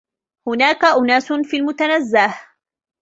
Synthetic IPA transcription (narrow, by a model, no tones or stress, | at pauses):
hʊnaːkaʔʊnaːsʊnfiːlmʊt̪anazːah